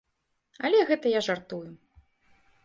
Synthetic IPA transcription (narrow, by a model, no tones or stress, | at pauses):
ɐlʲɛɣɛt̪ɐjaʐart̪uju